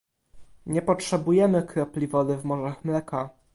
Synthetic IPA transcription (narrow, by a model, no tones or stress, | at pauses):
ɲɛpɔtʂɛbujɛmɘkɾɛplʲivɔd̪ɘvmɔʐaxmlɛka